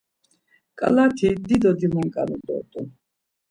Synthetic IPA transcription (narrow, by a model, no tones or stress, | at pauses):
kʼa̰lat̪ʰid̪id̪ɔd̪imɛŋkʼanud̪ɔ̰t̪ʼun